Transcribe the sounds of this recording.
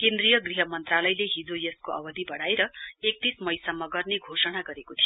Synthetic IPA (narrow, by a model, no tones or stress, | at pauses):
kend̪rijʌɡriɦʌmʌnt̪ralʌjleɦid͡zojeskoʌ̰bʌd̪ʱibʌɽaeɾʌek̚t̪ismʌjsʌmʌɡʌrneɡʱosʌɽ̃aɡʌɾekot̪ʰijo